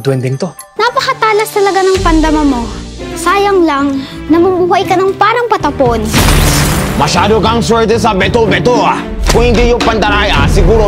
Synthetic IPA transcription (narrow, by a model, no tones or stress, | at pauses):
t̪wɛnd̪ɛŋt̪o | nɐpɐkɐt̪aːlɐst̪ɐlɐɡanɐŋpɐnd̪ɐmamo | saːjɐŋlɐŋ | nɐmʊmuːhɐʔjkɐnɐŋpaːɾɐŋpɐt̪ɐpon | mɐʃaːd̪okɐŋswɛɹt̪̬ɛs̬ɐbɛt̪obɛt̪oakʊŋhɪnd̪ijʊŋpɐnd̪ɐɾajasɪɡuːɾo